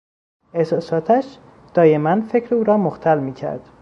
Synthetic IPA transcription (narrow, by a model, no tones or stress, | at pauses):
e̞hsɒːsɒːt̪ʰæʃ | d̪̥ɒːje̞mænfe̞cʰɾeuːɾɒːmoxt̪ʰælmiːcʰæ̰ɾd̪̥